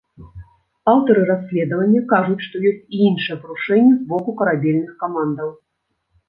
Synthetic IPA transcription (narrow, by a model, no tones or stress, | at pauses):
awt̪ɐɾɨɾasʲːlʲɛd̪ɐvɐnʲːɐkaʐut͡sʲʂt̪ɔjɔsʲt͡sʲiinʂɨjɛpɾuʂɛnʲːɛzbɔkukɐɾabʲɛlʲnɨxkamand̪ɐw